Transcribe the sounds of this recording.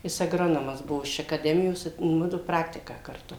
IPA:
ˈjɪs ɐɡˈroːnoːmɐs ˈbuɔ ɪʃ ɐkɐˈdʲæːmʲɪjoːs ɪ ˈmʊdʊ ˈprɑːktʲɪkɑː kɐrˈtʊ

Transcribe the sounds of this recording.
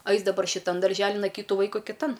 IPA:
ˈɐɪs dɐˈbɐr ʃʲɪˈtɐn dɐrʲˈʒʲæːlʲɪn ɐ ˈkʲiːtʊ ˈʋɐɪkʊ kʲɪˈtɐn

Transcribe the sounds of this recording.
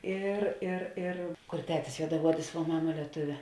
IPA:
ˈɪr ɪr ɪr kʊr ˈtʲæːtʲɪs juɔdɐˈuɔdʲɪs ʋuɔ ˈmɑːmɐ lʲiɛˈtʊʋʲeː

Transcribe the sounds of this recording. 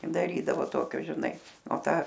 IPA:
dɐˈrʲiːdɐʋoː ˈtoːkʲoː ʒʲɪˈnɐɪ oː ˈtɑː

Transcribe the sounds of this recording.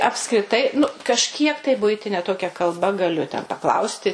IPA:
ɐpskrʲɪˈtɐɪ nʊ kɐʃʲˈkʲiɛk tɐɪ ˈbʊɪtʲɪnʲɛ ˈtoːkʲɛ kɐlˠˈbɐ ɡɐˈlʲʊ tʲɛn pɐˈklˠɐʊsʲtʲɪ

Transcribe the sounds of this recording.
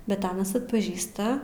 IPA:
ˈbʲɛt ˈɑːnɐs ɐtpɐˈʒʲiːstɐ

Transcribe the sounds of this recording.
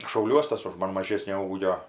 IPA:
ʃɐʊˈlʲuɔs ˈtɐs ʊʃ ˈmɐn mɐˈʒʲeːsʲnʲoː ˈuːɡʲoː

